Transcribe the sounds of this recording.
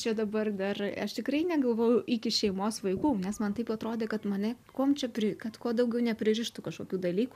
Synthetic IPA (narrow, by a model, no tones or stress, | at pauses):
t͡ʃʲɛd̪ɐbɐrd̪ɐrɐʃt̪ʲɪkɾɐɪnʲɛɡɐlˠʋoːjʊʔɪkʲɪʃʲɛɪmoːsʋɐɪkuːnʲɛsmɐnt̪ɐɪpuːɐt̪ɾoːd̪ʲeːkɐt̪mɐnʲɛkuːmt͡ʃʲɛpʲɾʲɪkɐt̪kuɔd̪ɐʊɡʲɛʊnʲɛpʲɾʲɪɾʲɪʃt̪ʊkɐʃkoːkʲuːd̪ɐlʲiːkuː